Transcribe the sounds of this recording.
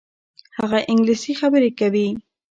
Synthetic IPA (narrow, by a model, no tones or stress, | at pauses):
hɑɢɑʔɪŋɡlɪsixabɪɾɪkabi